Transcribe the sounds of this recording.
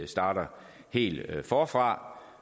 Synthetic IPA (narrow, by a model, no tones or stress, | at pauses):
sd̥ɑ̈ːɾ̥ɐ | he̝̰ːld̥fɒːfʁɑ̈